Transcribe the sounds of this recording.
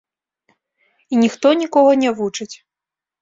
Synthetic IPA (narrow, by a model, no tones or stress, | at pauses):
inʲixt̪ɔnʲikɔɣɐnʲɛvut͡ʂɨt͡sʲ